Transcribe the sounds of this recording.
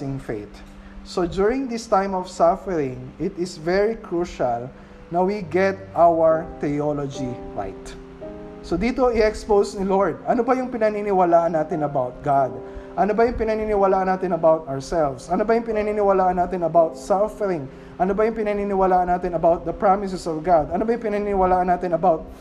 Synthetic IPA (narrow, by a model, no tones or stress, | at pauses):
ɪ̃ŋfḛjt̪ | sod͡ʒuɹɪ̃ŋd̪ist̪ãjmɔv̥safɛɹɪ̃ŋɪt̪ɪsvɛɹikɹuʃɐl | nɐwiɡɛt̪̚ʔawɐɹt̪ɛolod͡ʒiɹa̰jt̪ | sod̪iːt̪o̞ʔɪɛkspowsniloɹd̪̚ɐnobɐjʊŋpɪnɐninɪwɐlaːʔɐnːaːt̪ɪnɐbawt̪̚ɡad̪̚ʔɐnobɐjʊŋpɪnɐninɪwɐlaːʔɐnaːt̪ɪnɐbawt̪ɐɔɹsɛlvsʔɐnobɐjʊŋpɪnɐninɪwɐlaːʔɐnːaːt̪ɪnɐbawt̪safɛɾɪ̃ŋ | ʔɐnobɐjʊŋpɪnɐninɪwɐlaːʔɐnːaːt̪ɪnɐbawt̪̚d̪ɐpɹamɪsɛsɔvɡad̪ɐnobɐjʊŋpɪnɐninɪwɐlaːʔɐnaːt̪ɪnɐbawt̪̚